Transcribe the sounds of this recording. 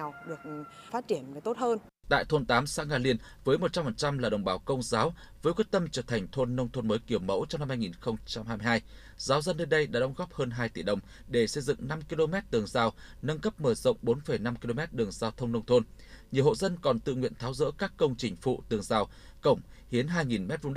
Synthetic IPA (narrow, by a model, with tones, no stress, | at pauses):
a˨˩wɗɨ˨˩ək̚ | faː˦˥t̚t͡ɕi˧˩əna˨˩t̪o˦˥t̚həː˧n | t̪a̰ː˧˨jt̪ʰo˧nt̪aː˨˦msa̰ː˧˥ŋaː˧˩li˧ən | vəː˨˦jmo˨˩t͡ɕa˧mfə˨˩nt͡ɕa˧mlaː˨˩ɗə̰˨˩wŋ͡mɓaː˨˦wkə˧wŋ͡mzaː˨˦w | vəː˨˦jkwi˦˥t̚t̪ə˧mt͡ɕəː˧˩t̪ʰa˨˩jŋ̟t̪ʰo˧nːə˧wŋ͡mt̪ʰo˧nməː˨˦jki˧˩əwmə̰˧˥wt͡ɕɔ˧ŋ͡mna˧mhaː˧jŋi˨˩nxə˧wŋ͡mt͡ɕa˧mha˧mi˧ɦaː˧j | zaː˨˦wzə˧nɗe˧nɗə˧jɗa̰ː˧˥ɗə˨˦wŋ͡mɣɔ˦˥p̚həː˧nɦaː˧jt̪i˧˩ɗə˨˩wŋ͡m | ɗe˧˩sə˧jzɨ̰˧˨ŋna˧mki˧lo˧mɛ˦˥t̚t̪ɨ˨˩əŋzaː˧˩wnə˧nkə˦˥p̚məː˧˩zə̰˧˨wŋ͡mɓo˨˦nfə˨˩jna˧mki˧lo˧mɛ˦˥t̚ɗɨ˨˩əŋzaː˧wt̪ʰə˧wŋ͡mnə˧wŋ͡mt̪ʰo˧nɲi˨˩əwho̰˧˨zə˧nkɔ˨˩nt̪ɨ̰˧˨ŋwḭ˧˨ənt̪ʰaː˨˦wzə̰˧˥kaː˦˥kːə˧wŋ͡mt͡ɕï˨˩ŋ̟fṵ˧˨t̪ɨ˨˩əŋzaː˨˩w | kə˧˩wŋ͡mhi˨˦ənɦaː˧jŋi˨˩nmɛ˦˥t̚v̰ɗ